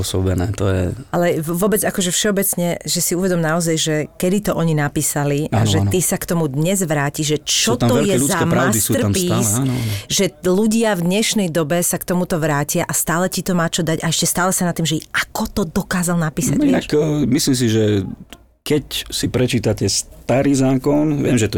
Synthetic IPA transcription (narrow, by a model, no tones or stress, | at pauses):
ɔsɔbɛnɛ̰ːt̪ɔjɛ̰alɛʋʊɔbɛd͡zakɔʒɛfʃɛɔbɛt͡sɲɛʒɛsiuʋɛd̪ɔmnaɔzajʒɛkɛd̪it̪ɔʔɔɲinapiːsaliaʒɛt̪isakt̪ɔmud̪ɲɛzʋɾaːciʒʒɛt͡ʃɔt̪aɔvɛljkɛɛuzakɛmɾʊsdisurampiːasʒɛluɟɪavd̪ɲɛʃnɛjd̪ɔbɛsakt̪ɔmut̪ɔʋɾaːcɪaʔast̪aːlɛcit̪ɔmaːt͡ʃɔd̪aɟaɛʃcɛst̪aːlɛsanat̪ːimʒɛiakɔt̪ɔd̪ɔkaːzalˠnapiːsa̰nakːmislims̬iʒɛ | kɛcsipɾɛt͡ʃiːt̪acɛst̪aɾiːzaːkɔnʋɪɛ̰mʒɛt̪ɔ